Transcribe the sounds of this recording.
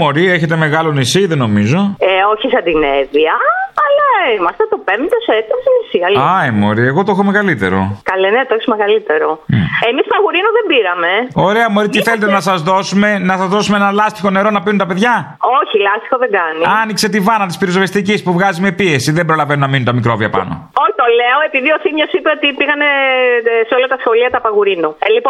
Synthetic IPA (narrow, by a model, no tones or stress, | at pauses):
mo̞ɾieçe̞t̪e̞me̞ɣɐlo̞nisiðeno̞mizo̞oçisɐd̪ineðiɐːlɐimɐst̪et̪o̞pemt̪oset̪iɐsenisiɐliɐimo̞̰ɾie̞ɣo̞t̪oexomeɣɐlit̪e̞̰ɾo̞̰kɐlenet̪oçsmeɣɐlit̪e̞ɾo̞emisp̪ɐɣuɾinoðembiɾɐme̞o̞ɾe̞ɐmoɾit̪iθe̞let̪enɐsɐzðo̞sume̞nɐsɐzðo̞sumeenɐlɐst̪ixo̞ne̞ɾo̞nɐpiunt̪ɐpe̞ðʝɐ | oçilɐst̪i̥xo̞ðeɡɐniɐnikse̞t̪ivɐnɐt̪ispiɾiozovest̪icispuvɣɐzime̞pie̞siðembɾo̞lɐvenunɐminunt̪ɐmikɾo̞viɐpɐ̰nʔo̰ot̪oleoe̞piðio̞simɲo̞sipeot̪ipiɣɐne | seo̞lɐt̪ɐsxo̞liɐt̪ɐpɐɣuɾinulip